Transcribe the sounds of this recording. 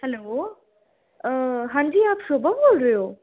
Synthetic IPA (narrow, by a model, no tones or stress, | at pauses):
ɐlo | ɦãːɲd͡ʒiːaːpsoːbəboːlɾəeoː